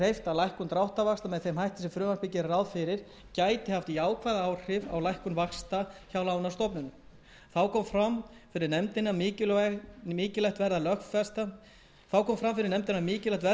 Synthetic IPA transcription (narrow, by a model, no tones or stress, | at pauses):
ejft̪alajhkʏnt̪ɾawht̪avakst̪amɛðθejmhajht̪ɪ̥sɛmfɾʏːvanspɪcɪɾrawðfɪɾɪɾ̥ | caːjt̪ɪhaft̪iaːwkʰvaðaaːwr̥ɪva̰wlajhkʏnvakst̪açawlaːwnast̪ɔpnʏnːʏ̰m | θawkʰɔːmfɾam | fɪɾɪɾnɛmt̪ɪnːamɪːcɪmɪːcɪlɛjht̪vɛɾðalœxffɛst̪a | θawkʰɔːmfɾamfɪɾɪɾnɛmt̪ɪnːamɪːcɪlɛjht̪vɛ